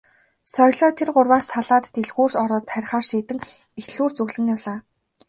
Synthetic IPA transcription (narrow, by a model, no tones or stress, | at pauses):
sœjɮɔːt̪ʰerɢʊrwaːst̪ʰːaɮaːt̪ːeɮɣuːrsɔɾɔːt̪χæɾʲχaːrʃiːt̪ɘ̆ŋ | extɮuːrt͡sɵɣɮɘ̆ŋjawɮaː